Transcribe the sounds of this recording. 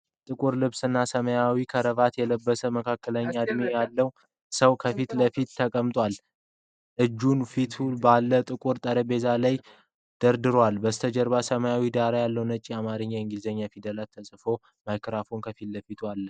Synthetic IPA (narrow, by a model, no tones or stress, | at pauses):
t̪ʼɨkʼuɾlɨβsɨnːasəməjawikʰəɾəβat̪jɛləbːəsəməkʰakːələɲːad̪mejalːəw | səwkʰəfit̪ləfit̪ːʰəkʼəmt̪ʼwal | ʔɨd͡ʒːunfit̪ʰubalːət̪ʼɨkʼuɾt̪ʼəɾebe̞zalaj | d̪̥əɾd̪ɨɾwalbəst̪ʰəd͡ʒəɾbasəməjawid̪aɾajalːəwnət͡ʃʼːiamaɾɨɲːaɨŋɡizeɲːafid̪əlat̪ʰːəsʼfo̞ | majkʰɾafunkʰəfit̪ləfit̪ʰualːə